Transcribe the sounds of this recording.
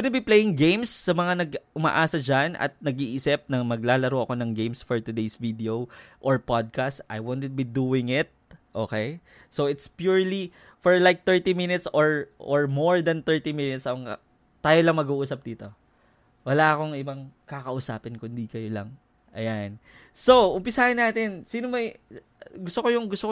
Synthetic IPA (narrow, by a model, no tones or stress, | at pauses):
pɪnɛbiplejɪŋɡejmsːɐmɐŋanɐɡʔʊma̰ːʔaːsɐd͡ʒanʔɐ̰t̪̚nɐɡiʔisɛp̚nɐŋmɐɡlaːlɐɾowʔɐko̞nɐŋɡejmsfɔɹt̪ʊd̪ejsvid̪ɛoʔoɹpad̪̚kast̪ʔɐ̰jwont̪t̪̚bid̪uːɪŋɪt̪̚ʔoːkej | sowɪt̪spjuɹli | fɔɹlajk̚t̪ɛɹt̪imɪnɪt̪soɹʔoɹmoɹd̪ɐnt̪ɛɹt̪imɪnɪt̪sɐoŋ | t̪aːjolɐŋmɐɡuʔuːsɐp̚d̪iːt̪o̞ | wɐlaʔɐko̞ŋɪbɐŋkakɐʔʊsa̰ːpɪnkʊnd̪ikɐjolɐ̰ŋ | ʔɐ̰jan | sowʔʊmpɪsaːhɐnːaːt̪ɪnsiːnomɛ | ɡʊst̪okojʊŋɡʊst̪ok